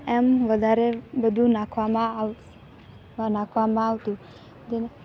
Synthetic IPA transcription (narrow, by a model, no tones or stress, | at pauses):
ɛmʋəd̪ʱaɾebəd̪ʱũnakʰʋamã | nakʰʋamãaʋt̪ũ | d͡ʒ̪ene